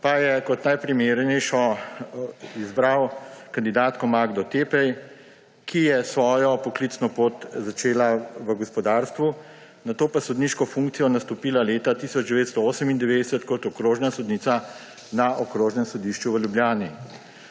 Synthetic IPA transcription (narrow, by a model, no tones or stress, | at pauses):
pajɛkɔt̪najpɾimeːɾnɛjʃɔ | izbɾawkand̪id̪aːt̪kɔmaɡd̪ɔt̪epɛj | kʰijɛsʋɔːjɔpɔklit̪snɔpoːt̪zat͡ʃeːlaʋəɡɔspɔd̪aːɾst̪ʋu | nat̪oːpasɔd̪niʃkɔfuŋk̚t̪sijɔnast̪ɔpiːlaleːt̪at̪iːsɔd͡ʒd̪ɛʋeːt̪st̪ɔoːsəmind̪ɛʋeːd̪ɛsɛt̪kɔt̪ɔkɾoːʒnasɔd̪niːt̪sa | naʔɔkɾoːʒnɛmsɔd̪iʃt͡ʃuʋəljubljaːni